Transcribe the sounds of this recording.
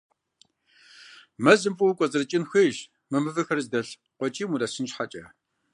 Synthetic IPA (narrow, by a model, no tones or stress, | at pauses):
mɐzɨmfʼuwkʷʼɔzʼɨrɨt͡ʃʼɪnxʷeːʃ | mɨmɨvɨxɐrzdɐɬ | qʷɔt͡ʃʼiːmudɐsɨnt͡ʃħat͡ʃʼɐ